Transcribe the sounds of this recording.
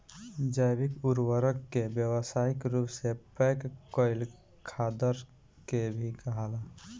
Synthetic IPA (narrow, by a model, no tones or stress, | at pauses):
d͡ʒajbɪkuɾwəɾəkːebjəwəsaːɪkɾuːpsepɛkkɔɪl | kʰad̪əɾ | kebʱikəɦala